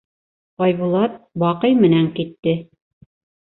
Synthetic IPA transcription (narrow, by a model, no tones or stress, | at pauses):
ɑjβulˠɑt̪̚wɑqɤjmɘ̆næŋkit̪ːɘ